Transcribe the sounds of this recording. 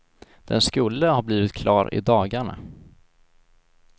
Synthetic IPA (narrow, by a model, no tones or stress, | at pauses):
d̪̥ɛ̰nskɵlːəhaɾbliːvɪt̪̚kʰlɑːɾɪ̰d̪ɑːɡaɳa̰